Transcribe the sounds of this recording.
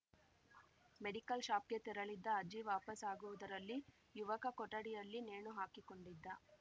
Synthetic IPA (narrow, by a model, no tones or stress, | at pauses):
meɽikɐlʃaːpket̪iɾɐɭid̪ːɐːd͡ʒiʋaːpɐsaːɡuʋud̪ɐɾɐlːi | juʋɐkɐkɔʈːɐɽijɐlːineːɳuɦaːkiko̞ɳɖid̪ːɐ